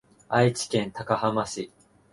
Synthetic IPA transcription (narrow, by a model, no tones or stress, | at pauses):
ait͡ɕi̥kẽ̞nt̪akahamaɕi